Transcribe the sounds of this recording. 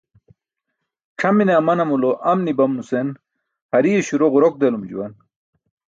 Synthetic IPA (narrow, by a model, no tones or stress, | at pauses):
ʈ͡ʂʰɐmineɐmɐnɐmuloʔɐmnibɐmnusen | hɐɾieɕuɾoʁuɾok̚d̪elumd͡ʑṵwɐn